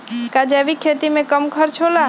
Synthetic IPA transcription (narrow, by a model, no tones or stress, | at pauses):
kad͡ʒɛbikʰet̪imẽkəmkʰəɾt͡ʃʰola